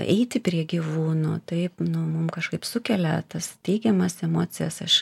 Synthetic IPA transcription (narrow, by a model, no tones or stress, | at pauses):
ɛ̰ɪt̪ʲɪpʲɾʲiɛɡʲiʋuːnuːt̪ɐɪpnʊmʊmkɐʃkɐɪpsʊkʲɛlʲɛt̪ɐst̪ʲɛɪɡʲɛmɐsɛmoːt͡s̪ʲɪjɛsɐʃ